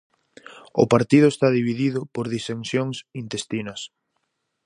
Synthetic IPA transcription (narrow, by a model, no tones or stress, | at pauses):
ʊ̰paɾt̪iðʊest̪aðiβiðiðʊpoɾðisensjoŋsint̪est̪inɐs